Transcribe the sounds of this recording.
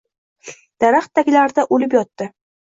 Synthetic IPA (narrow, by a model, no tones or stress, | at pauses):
d̪̥aɾaχt̪ːaɡʲɪlaɾd̪aʔolɪp̬jɒt̪ːɪ